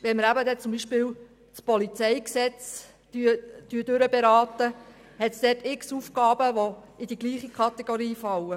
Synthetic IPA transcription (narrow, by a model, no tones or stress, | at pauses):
ʋɛnməɾæbəd̪ɛt͡sʊmbiːʃpɪːw | spɔlit͡sɛjksɛt͡s | tyt̪yːdøɾəbɛɾɑːt̪ə | hɛt̪sd̥̪ɛːtɪksufkɑːbəʋo | ɪd̪iɡliːχikχɑt̪ɛɡ̥oɾiːfɑwə